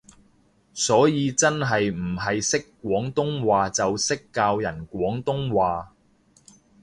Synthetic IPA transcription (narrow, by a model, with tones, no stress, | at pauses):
sɔː˨˥jiː˨˧t͡sɐ˥nɦɐ˨jm̩˨˩ɦɐ˨jsɪ˥kːwʷɔː˨˥ŋt̪ʊ˥ŋwaː˨t͡sɐ˨wsɪ˥kːaː˧wjɐ˨˩nkʷɔː˨˥ŋt̪ʊ˥ŋwaː˨